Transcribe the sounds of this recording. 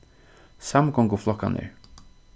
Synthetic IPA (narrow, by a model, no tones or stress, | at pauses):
saməɡɔŋɡʊflɔkːa̰nḛːɹ